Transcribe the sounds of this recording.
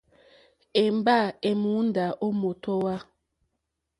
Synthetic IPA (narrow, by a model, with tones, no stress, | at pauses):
e˨m˨ba˦˨e˨mu˨˦n˦da˨ʔo˦mo˨to˦wa˦